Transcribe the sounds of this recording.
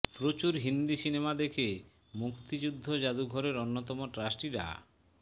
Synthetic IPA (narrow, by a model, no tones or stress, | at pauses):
pɾot͡ɕuɾɦind̪isinemad̪ekʰe | mukt̪id͡ʑud̪ʱːod͡ʑad̪uɡʱɔɾeɾonːot̪ɔmoʈɾasʈiɾa̰